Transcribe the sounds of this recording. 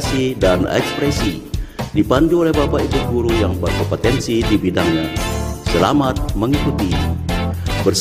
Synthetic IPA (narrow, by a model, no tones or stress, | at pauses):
sidanɛ̰kspɾɛsidipanduolɛhbapaik̪uɡuɾujaŋbarkopot̪ɛnsidibidaŋɲasəla̰mat̪̚məŋikut̪i | bərs